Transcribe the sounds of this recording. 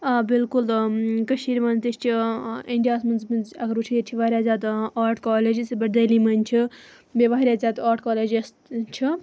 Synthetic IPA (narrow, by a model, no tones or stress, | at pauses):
bilkulkɐʃiːɾmɐnzt̪ist͡ʃʰiiɳɖijaːsmɐnzmɐnzɐɡɐɾut͡ʃʰijiʈʲʰiʋaːɾʲjaːzʲaːd̪aːɾʈkaːleːd͡ʒisbɐɾd̪ɐːlimɐnʲt͡ʃʰi | beʋaɦɾʲjaːzʲaːd̪aːʈkaːleːd͡ʒes | t͡ʃʰi